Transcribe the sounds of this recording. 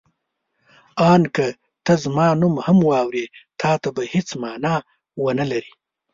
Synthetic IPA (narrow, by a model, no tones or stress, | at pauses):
ɑːnkɐ | t̪ɐzmɑːnumhɐmwɑːwɾet̪ʰɑːt̪abahɪt͡smɑːnɑ | wənɐlɐɾi